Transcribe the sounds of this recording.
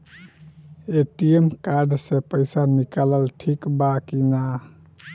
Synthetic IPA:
eʈiemkaɾɖsepəjsanikalalʈʰikbakina

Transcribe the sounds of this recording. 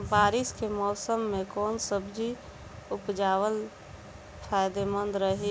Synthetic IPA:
baːɾɪskemɔːsəmːẽkɔːnsəbd͡ʒi | ʊpd͡ʒaːwəl | pʰaːjd̪emə̃nd̪ɾəɦi

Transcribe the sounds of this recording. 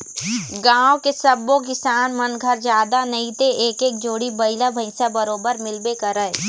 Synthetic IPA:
ɡãːwkesɐbːõk̬ɪsaːnmɐnɡʱəɾd͡ʒjaːd̪anɐĩt̪eeːkeːk̚d͡ʒoːɽibɐɪlabʱɐɪsabɐɾoːbəɾmɪlbekɐɾəe

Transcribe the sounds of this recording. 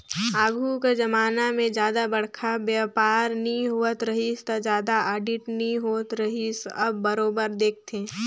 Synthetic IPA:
aːɡʱuked͡ʒɐmaːnamẽd͡ʒjaːd̪abɐɽ̤kʰabjapaːɾnĩɦuət̪ɾɐɦist̪ɐd͡ʒjaːd̪aaːɖɪʈnɦĩɦoːət̪ɾɐɦisɐbːəɾoːbəɾd̪eːk̚ʰt̪ʰeː

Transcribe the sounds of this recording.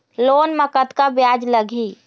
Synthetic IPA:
lonməkət̪kabjad͡ʒləɡʱi

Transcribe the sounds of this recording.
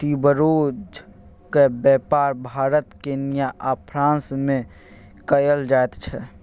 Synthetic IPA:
ʈibəɾoːd͡ʒ | kebjɛpaːɾbʱaːɾət̪kenijaʔapʰɾãːnsmẽ | kəjəld͡ʒaet̪t͡ʃʰɛ

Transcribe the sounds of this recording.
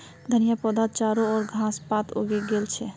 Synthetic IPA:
d̪ʱənijapɔd̪at̪̚t͡ʃaɾoɔːɾɡʱãspat̪o̰ɡeɡelt͡ʃʰɛ

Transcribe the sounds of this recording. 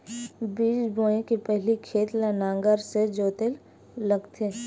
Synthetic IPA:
biːd͡ʒboːẽkepɛɦlikʰeːt̪lənãːŋɡəɾsed͡ʒoːt̪el | ləɡt̪ʰe

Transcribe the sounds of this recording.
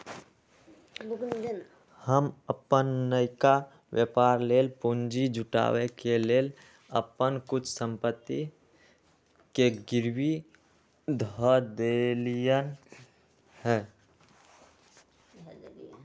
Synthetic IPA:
həməpənːəɪka | wjəpaːɾleːlpund͡ʒid͡ʒʱʊʈa̰ːwekeleːl | ə̰pənkʊt͡ʃʰsə̃mpət̪ːi | keɡɪɾwi | d̪ʱəd̪elijən | hɛː

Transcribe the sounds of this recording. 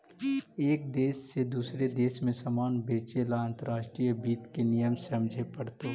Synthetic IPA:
eːk̚d̪eːsːed̪uːsɾed̪eːsmẽsɐmaːnbeːt͡ʃelaãːnt̪əɾaːʃʈɾijəbiːt̪kenijəmsɐmd͡ʒʱepɐɽt̪oː

